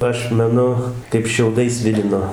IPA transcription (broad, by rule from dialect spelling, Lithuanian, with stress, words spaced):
ˈɐʃ mʲɛˈnʊ kɐɪp ʃʲɛʊˈdɐɪs ˈsʲʋʲɪlʲɪnoː